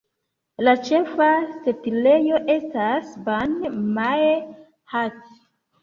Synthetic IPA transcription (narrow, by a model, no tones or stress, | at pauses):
lat͡ʃe̞fasetile̞jo̞ʔe̞stasbanma | hat